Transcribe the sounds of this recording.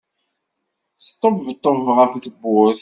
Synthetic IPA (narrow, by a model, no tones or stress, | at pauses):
st̪ˤːobvət̪ˤːovʁəfθəbʊθ